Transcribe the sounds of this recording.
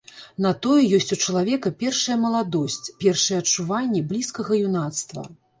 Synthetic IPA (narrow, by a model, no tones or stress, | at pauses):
nɐt̪ɔjɛjɔsʲt͡sʲut͡ʂɐlˠavʲɛkɐpʲɛrʂɐjɐmɐlˠad̪ɔsʲt͡sʲpʲɛrʂɐjɛɐt͡ʂuvanʲːɛblʲiskɐɣɐjun̪at̪st̪vɐ̰